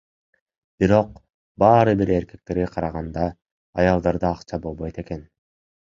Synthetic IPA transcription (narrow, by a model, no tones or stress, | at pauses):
b̥iɾo̞q̚ | bɑːɾɯbiɾe̞ɾke̞k̚t̪e̞ɾɡeqʰɑɾɑʁɑnd̪ɑː | jɑlˠd̪ɑɾd̪ɑːqt͡ʃɑbo̞lˠbo̞jt̪e̞ke̞n